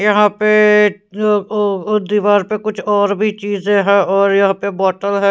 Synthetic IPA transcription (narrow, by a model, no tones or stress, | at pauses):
jɐɦãpe | d̪iːʋaːɾpekʊt͡ʃʰɔːɾbʱit͡ʃiːzẽɦɛːɔːɾjɐɦãpebɔːʈəlɦɛː